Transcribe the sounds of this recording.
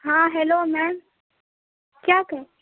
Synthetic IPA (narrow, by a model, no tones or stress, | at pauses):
ɦãːɦelomɛ̃ːm | kjaːkəẽ